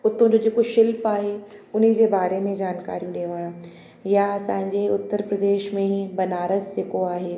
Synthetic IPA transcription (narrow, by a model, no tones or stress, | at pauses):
ʊt̪ʰõd͡ʑod͡ʑeːkoʃɪlfaːɦeʊn̤ə̆d͡ʑeːbaːɾemẽd͡ʑaːnka̰ːɾijũɗeːʋaːɽ̃ | jaɐsãːɪ̃ɲd͡ʑeʊt̪ːəɾpɾɐd̪eːʃmẽbɐnaːɾəsd͡ʑeːkoaːɦeː